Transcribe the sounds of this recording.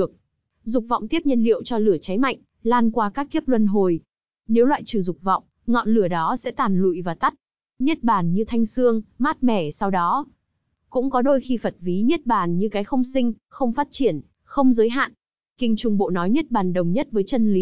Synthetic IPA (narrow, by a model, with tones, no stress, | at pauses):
ɨ˨˩ək̚ | zʊ˨˩k͡p̚vɔ̰˧˨wŋ͡mt̪i˦˥əp̚ɲə˧nlḭ˧˨əwt͡ɕɔ˧lɨ˧˩ət͡ɕa˨˦jma̰˧˨jŋ̟ | laː˧nkwaː˧kaː˦˥kːi˦˥əp̚lwə˧nɦo˨˩j | ne˨˦wlwa̰ː˧˨jt͡ɕɨ˧˩zʊ˨˩k͡p̚vɔ̰˧˨wŋ͡m | ŋɔ̰˧˨nlɨ˧˩əɗɔ˨˦sɛ̰˧˥t̪aː˨˩nlṵ˧˨jvaː˨˩t̪a˦˥t̚ | ɲi˦˥t̚ɓaː˨˩nɲɨ˧t̪ʰa˧jŋ̟sɨ˧əŋmaː˦˥t̚mɛ˧˩sa˧wɗɔ˨˦ | kʊ̰˧˥ŋ͡mkɔ˨˦ɗo˧jxi˧fə˨˩t̚vi˨˦ɲi˦˥ət̚ɓaː˨˩nɲɨ˧kaː˨˦jxə˧wŋ͡msï˧ŋ̟xə˧wŋ͡mfaː˦˥t̚t͡ɕi˧˩ən | xə˧wŋ͡mzəː˨˦jɦa̰ː˧˨n | kï˧˩ŋ̟t͡ɕʊ˨˩ŋ͡mɓo̰˧˨nɔ˨˦jɲi˦˥t̚ɓaː˨˩nɗə˨˩wŋ͡mɲə˦˥t̚vəː˨˦jt͡ɕə˧nli˨˦